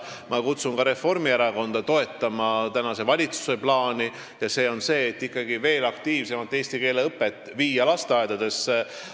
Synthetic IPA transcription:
mɑkut̪sunkɑɾe̞fo̞rmieɾɑko̞nd̪̥ɑt̪o̞e̞t̪ːˑɑmɑt̪ænɑse̞vɑlʲit̪su̥se̞plɑːni | jɑse̞ːo̞nse̞ːt̪ːikːɑɡive̞ːlɑkt̪iːvse̞mɑt̪ːˑe̞ːst̪ike̞ːle̞ɤpːˑe̞t̪ːˑviːjɑlɑst̪eɑed̪̥ɑd̪e̞s

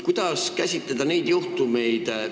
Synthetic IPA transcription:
kujd̪̥ɑskæsʲit̪ːˑed̪̥ɑnejd̪̥juht̪umejd̪̥

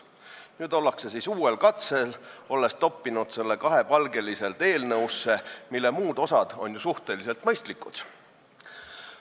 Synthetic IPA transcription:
nyːd̪o̞lːɑkse̞siːsuːe̞lkɑt̪se̞lo̞lːe̞st̪o̞pːinud̪se̞lːe̞kɑɦe̞pɑlɡe̞lise̞lt̪e̞ːlnɤwsːe̞milːe̞muːd̪̥o̞sɑd̪̥o̞nʲjusuht̪e̞lise̞lt̪mɤ̞jst̪likːˑud̪̥

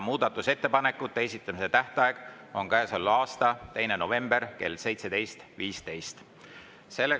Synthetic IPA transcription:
muːd̪̥ɑt̪ːˑuse̞t̪ːe̞pɑnekːˑut̪ːeesit̪ˑːɑmise̞t̪æht̪ɑeɡ̥ | o̞ŋkæːsolɑːst̪ɑt̪e̞jne̞nove̞mb̥e̞rke̞̰lːse̞jt̪se̞d̪̥e̞jst̪viːst̪e̞jst̪ | se̞lːe

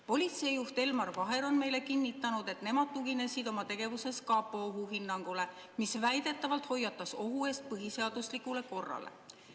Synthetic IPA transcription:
po̞lʲit̪se̞ijuht̪e̞lmɑrvɑɦe̞ɾo̞nme̞jle̞kinːit̪ˑːɑnud̪̥e̞t̪ne̞mɑd̪̥̚t̪uɡ̥ine̞sid̪o̞mɑt̪e̞ɡ̥e̞vuse̞skɑpːˑooɦuɦinːɑŋɡ̥ule̞ | misvæjd̪̥e̞t̪ˑːɑvɑlt̪ho̞jːɑt̪ːˑɑso̞ɦue̞st̪̚pɤɦise̞ɑd̪̥uslikˑule̞ko̞rːɑ̰lḛ

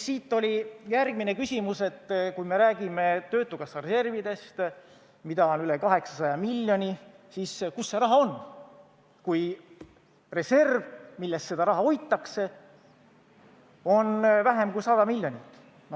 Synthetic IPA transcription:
siːt̪ːˑo̞lʲijærɡmine̞kysʲimuse̞t̪ːkujme̞ɾæːɡ̥ime̞t̪ø̞ːt̪ːˑukɑsːɑɾese̞rvid̪̥e̞st̪ | mid̪̥ɑonyle̞kɑɦe̞ksɑsɑjɑmilʲːjo̞nʲi | siskusːeɾɑɦɑo̞n | kuj | re̞se̞rvmilːe̞st̪se̞d̪ɑɾɑɦɑo̞jt̪ˑːɑkse̞ | o̞nvæɦe̞mkujsɑd̪̥ɑmilʲːjo̞nʲit̪ːˑ | no

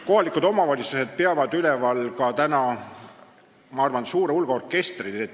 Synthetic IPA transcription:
ko̞ɦɑlikˑud̪o̞mɑvɑlʲit̪suse̞d̪̥̚peɑvɑd̪ylɛvɑlkɑt̪ænɑ | mɑɑrvɑnsuːɾeulɡ̥ɑorkːˑe̞st̪rile

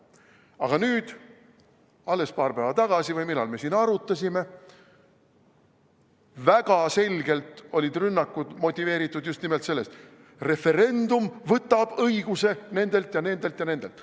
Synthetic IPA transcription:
ɑ̰ɡ̥ɑnyːd̪̥ | ɑlːe̞spɑːɾpæːvɑt̪ɑɡ̥ɑsivɤjmilːɑ̰lme̞siːnɑɾut̪ːˑɑsʲime̞ | væɡ̥ɑse̞lʲɡe̞lt̪o̞lʲid̪rynːɑkːˑud̪̥mo̞t̪ʲːˑive̞ːɾit̪ːˑud̪just̪nimelt̪se̞lːe̞st̪ | re̞fe̞ɾe̞nd̪umvɤt̪ːˑɑb̥ɤjɡ̥use̞ne̞nd̪e̞lt̪jɑne̞nd̪̥e̞lt̪jɑne̞nd̪e̞lt̪ˑ

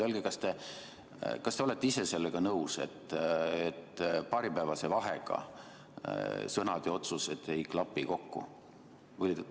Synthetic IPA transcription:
olɡekɑst̪e̞ | kɑst̪e̞o̞le̞t̪ːˑeise̞se̞lːeɡ̥ɑnɤwse̞̰t̪ˑːet̪ːpɑːɾipæːvɑse̞vɑɦeɡ̥ɑ̰ | sɤnɑd̪̥eo̞t̪suse̞t̪ːˑe̞jklɑpːiko̞kːṵ | ulʲː

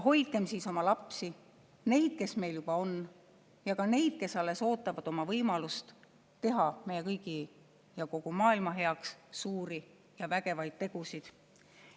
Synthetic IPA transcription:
ɦo̞jd̪̥̚ɡ̥e̞msiːso̞mɑlɑpsi | ne̞jd̪̥̚ke̞sme̞jljub̥ɑo̞n | jɑkɑne̞jd̪̥̚ke̞sɑlːe̞so̞ːt̪ːˑɑvɑd̪̥o̞mɑvɤjmɑlust̪ | t̪e̞ɦɑme̞jekɤjɡ̥i | jɑko̞ɡ̥umɑːilmɑɦe̞ɑkssuːɾi | jɑvæɡ̥e̞vɑjd̪̥̚t̪e̞ɡ̥usid̪̥

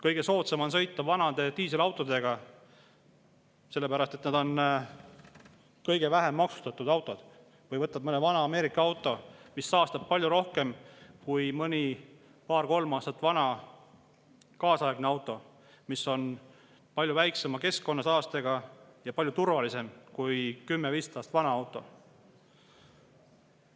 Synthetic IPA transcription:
kɤjɡ̥e̞so̞ːt̪semɑns̬ɤ̞jt̪ːˑɑvɑnɑd̪̥e̞t̪iːs̬elɑwt̪ˑo̞d̪̥e̞ɡ̥ɑ | se̞lːe̞pæɾɑst̪e̞t̪nɑd̪o̞n | kɤjɡe̞væɦe̞mːɑksu̥st̪ɑt̪ːˑud̪ɑwt̪ˑo̞d̪̥ | vɤjvɤt̪ːˑɑb̥̚mɤnevɑnɑɑme̞ːɾikːˑɑɑwt̪ːˑo̞misːɑːst̪ɑb̥̚pɑlʲjuɾo̞hke̞mkujmɤnʲi | pɑːrko̞lmɑːst̪ɑt̪ːˑvɑnɑ | kɑːsɑeɡ̥neɑwt̪ːˑo̞ | misːo̞n | pɑlʲjuvæjksemɑke̞skko̞nːɑsɑːst̪e̞ɡ̥ɑjɑpɑlʲjut̪urvɑlise̞mkujkymːeviːst̪ɑːst̪vɑnɑɑwt̪ːˑo̞

